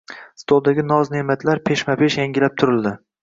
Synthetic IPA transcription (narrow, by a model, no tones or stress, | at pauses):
st̪ʰolˠd̪aɡʲɪnɒznemat̪ʰlaɾpʰe̞ʃmapʰe̞ʃjaŋɡʲɪlap̚t̪ʰʊɾɪlˠd̪ɪ